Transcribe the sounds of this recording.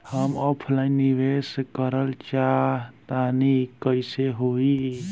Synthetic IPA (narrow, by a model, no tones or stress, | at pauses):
həmɔːpʰlainːiʋeskəɾəlt͡ʃat̪anikəɪseɦoi